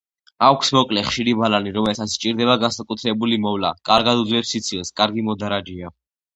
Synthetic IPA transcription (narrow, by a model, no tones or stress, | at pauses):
akʷʰsmɔkʼlɛχʃiɾibalaniɾɔmɛlsat̪sʰt͡ʃʼiɾd̪ɛβaɡansakʼut̪ʰɾɛbulimɔvla̰kʼaɾɡad̪ud̪zlɛpsit̪sʰilˠskʼaɾɡimɔd̪aɾad͡ʒia